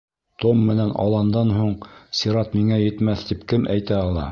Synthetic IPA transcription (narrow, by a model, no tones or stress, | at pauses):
t̪omːɘ̆nænʔɑ̰lˠɑnd̪ɑnɦuɴsʲiɾɑt̪miŋæjɘ̆t̪mæθt̪ipkɘmæjt̪æɑlˠɑ̰